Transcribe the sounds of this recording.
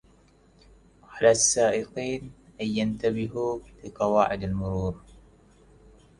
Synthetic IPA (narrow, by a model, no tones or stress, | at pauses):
ʕalasːaːʔɪqiːnʔajːant̪abɪɦulɪqɑwaːʕɪd̪almʊɾuːɾ